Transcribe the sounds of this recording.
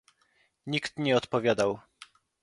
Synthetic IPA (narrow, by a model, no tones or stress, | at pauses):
ɲikt̪ɲɛɔt̪pɔvʲjad̪aw